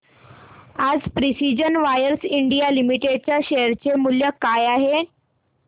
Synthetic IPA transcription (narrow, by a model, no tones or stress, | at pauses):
ad͡zpɾisid͡ʑənʋajəɾsiɳɖijalimiʈeɖ̚t͡ɕjaɕeəɾt͡ɕemuljəkajaɦe